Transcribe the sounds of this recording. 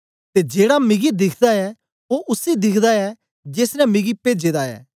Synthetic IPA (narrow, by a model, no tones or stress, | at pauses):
t̪ed͡ʒeːɽamɪɡid̪ɪkʰd̪aɛ | oʔʊsid̪ɪkʰd̪aɛ | d͡ʒeːsnɛ̃mɪɡipeːd͡ʒeːd̪aɛ̰ː